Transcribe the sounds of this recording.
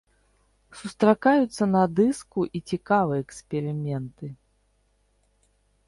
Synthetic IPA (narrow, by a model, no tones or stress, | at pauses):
sust̪ɾakajut̪sːɐnɐd̪ɨskuʔit͡sʲikavɨjɛɛksʲpʲɛɾɨmʲɛnt̪ɨ